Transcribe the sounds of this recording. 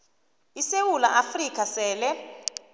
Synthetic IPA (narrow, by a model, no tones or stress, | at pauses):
isewula̰ʔafrik̬ʰʼasɛːlɛ